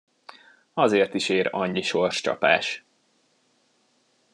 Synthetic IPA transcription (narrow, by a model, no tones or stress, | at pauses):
ɒzeːrt̪iʃeːɾɒɲːiʃo̞rʃt͡ʃɒ̰pa̰ːʃ